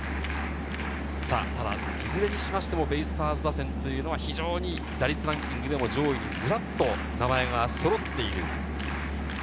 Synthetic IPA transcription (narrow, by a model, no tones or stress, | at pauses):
sa̰ːt̪ad̪a̰ | izɨɾe̞ɲ̟iɕimaɕi̥t̪e̞mo̞be̞isɨ̥t̪aːzɨd̪asẽ̞nt̪o̞jɯ̟ːno̞βaçiʑo̞ːɲ̟i | d̪aɾʲit͡sɨɾãŋkʲĩŋɡɯ̟d̪e̞mod͡ʑo̞ːiɲʲizɨɾat̪ːo̞ | namae̞ɡaso̞ɾo̞t̪ːe̞iɾɯ̟̰